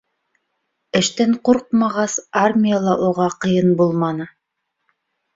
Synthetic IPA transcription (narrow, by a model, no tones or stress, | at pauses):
ɘ̆ʃt̪æɴquɾqmɑʁɑsarmʲijalˠɑʔuʁɑqɤ̆jɤnbulˠmɑnɤ